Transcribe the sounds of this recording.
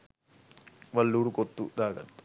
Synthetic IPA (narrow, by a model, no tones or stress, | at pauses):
ʋɐlːuːɽukot̪ːud̪aːɡɐ̰t̪ː